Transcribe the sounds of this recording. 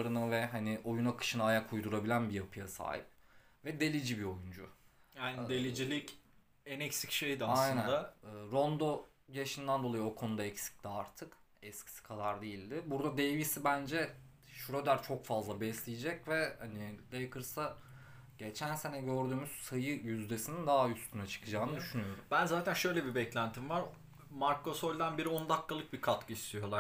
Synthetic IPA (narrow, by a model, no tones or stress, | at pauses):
ɾɯnɯvɛɦanɪʔo̞junakʰɯ̥ʃɯnaːjakʰujd̪uɾabilʲænbijapʰɯjasa̰ːhḭp̚ | vɛd̪e̞lʲid͡ʒibio̞jund͡ʒʊ̰ | jajnd̪elʲid͡ʒilʲic | ɛnɛcsi̥cʃejd̪ɪaajnnænd̪aɯːɾo̞nd̪o̞ | jaʃɯnd̪ænd̪o̞lˠajio̞kʰo̞nud̪aɛcsi̥c̚t̪iaɾt̪ʰɯk | ɛscʰi̥si̥kʰad̪aɾd̪ejilʲd̪ɪbuɾd̪ad̪evisibænd͡ʒɛ | ʃuɾad̪æɾt͡ʃʰo̞kfazlˠabɛslʲijed͡ʒɛcvɛhanid̪ajakʰɯɾsa | ɟ̥et͡ʃʰænse̞nɛɟøɾd̪yːmyz̥sajɯjyzd̪e̞sinind̪aɦayst̪ʰynat͡ʃʰɯ̥kʰɯd͡ʒaːnɯd̪yʃynyjo̞ɾumbænzaːt̪ʰænʃø̞jlʲɛbibɛclʲænt̪ʰimvaɾ | maɾko̞solʲd̪ænbiɾio̞nd̪akːalˠɯk̚bikʰat̪kʰɯist̪ʰijo̞lˠa